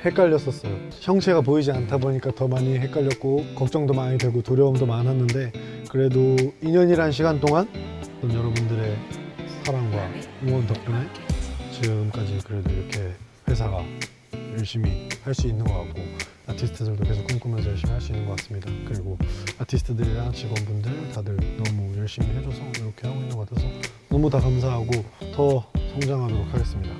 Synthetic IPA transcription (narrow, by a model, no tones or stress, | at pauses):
he̞k͈aʎːʌs͈ʌs͈ʌjo | çʰjʌŋt͡ɕʰe̞ɡap̬oid͡ʑiantʰaboɲik͈atʌmaɲiɦe̞k͈aʎːjʌt̚k͈okʌk̚t͡ɕ͈ʌŋdomaɲidwe̞ɡotoɾjʌumdomanɦanːɯndekɯɾe̞doiɲʌɲiɾɦanɕʰiɡant͈oŋanʌnjʌɾʌbundɯɾe̞sʰaɾamɡwajoŋwʌntʌp̚k͈unent͡ɕiɡɯmk͈ad͡ʑikɯɾe̞doiɾʌkʰe̞ | ɸwe̞sʰaɡa | jʌɭɕ͈imihaɭs͈uinːɯnɡʌk͈ak̚k͈o | atʰisʰɯ̥tʰɯdɯɭdoke̞sʰok͈ːɯɲkʰumjʌnsʰʌjʌɭɕ͈imihaɭs͈uinːɯnɡʌk͈as͈ɯmɲidakɯɾiɡoatʰisʰɯ̥tʰɯdɯɾeant͡ɕʰiɡwʌnbundɯɾetadɯɾnʌmujʌɭɕ͈imiɦe̞d͡ʑosʰʌiɾʌkʰe̞haɡoinːɯnŋɡʌkatʰesʰʌnʌmutakams̬ʰaɦaɡotʌsʰʌŋd͡ʑaŋɦadoɾokʰaɡe̞s͈ɯmɲida